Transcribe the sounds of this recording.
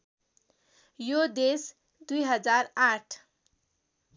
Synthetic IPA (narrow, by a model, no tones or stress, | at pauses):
jod̪es | d̪ujɦʌd͡zaraʈʰ